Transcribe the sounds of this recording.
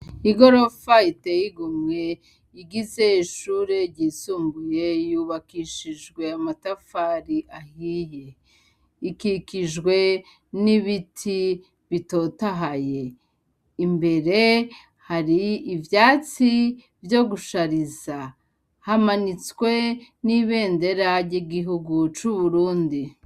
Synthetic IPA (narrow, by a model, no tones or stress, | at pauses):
iɡo̞ɾo̞faitejiɡumŋe̞ | iɡize̞iʃuːɾe̞ɾɟiːsuːmbuje̞juːβakiʃiʒɡwe̞amatafaɾiʔahije | ikikiʒɡwe̞ | niβitʰi | βito̞taɦaje̞ | imbe̞ɾe̞ | haɾiːvjaːt͡si | vjo̞ɡuʃaɾiza | hamanit͡skwe̞niβe̞ːnde̞ɾaɾɟiɡiɦuɡut͡ʃuβuɾuːndi